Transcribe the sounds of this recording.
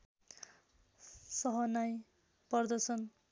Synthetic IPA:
sʌɦʌnaj | pʌrd̪ʌsʌn

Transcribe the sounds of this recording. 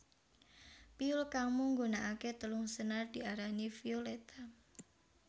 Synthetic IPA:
piulkamuŋɡunaʔaket̪əlʊŋsənard̪̥i̤aɾanifiolet̪a

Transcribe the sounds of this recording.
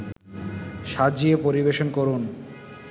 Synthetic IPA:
ʃad͡ʑiepoɾibeʃonkoɾun

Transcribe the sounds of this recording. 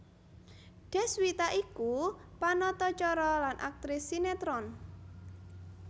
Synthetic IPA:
ɖ̥ɛ̤swit̪aʔikupanɔt̪ɔt͡ʃɔɾɔlanʔa̰k̚t̪ɾɪsːinet̪ɾɔn

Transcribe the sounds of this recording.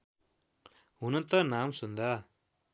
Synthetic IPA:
unɐnt̪ɐnaːmsund̪a

